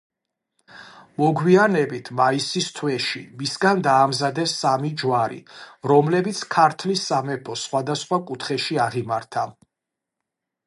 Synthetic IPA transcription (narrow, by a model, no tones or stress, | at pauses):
mɔɡwianɛbit̪ʰmaisist̪ʰwɛʃimisɡand̪aːmzad̪ɛsːamid͡ʒwaɾḭɾɔmlɛbit̪sʰkʰaɾt̪ʰlisːamɛpʰɔsχwad̪asχwakʼut̪ʰχɛʃiaʁimaɾt̪ʰa